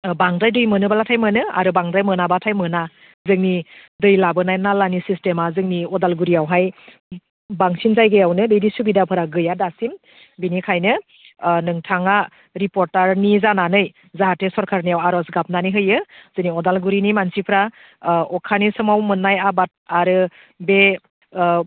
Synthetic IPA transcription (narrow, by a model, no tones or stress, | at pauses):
baŋdɾajdɯjmɯnɯbalatʰajmɯnɯa̰ɾɯbaŋdɾajmɯnabatʰajmɯna | zɯŋnidɯjlabɯnajnalanisistemazɯŋniɔdalɡuɾiawɦaj | baŋsinzajɡɯjawnɯdɯjdisubidapʰɯɾaɡɯjadasim | binikʰajnɯ | nɯŋtʰaŋa | ɾipɔɾtaɾnizananɯj | zaɦatesɔɾkʰaɾnijawaɾɔsɡap̚naniɦɯjɯz̥ɯniɔdalɡuɾinimansipʰɾa | ɔkʰanisɯmawmɯnːajabat̚aɾɯ | be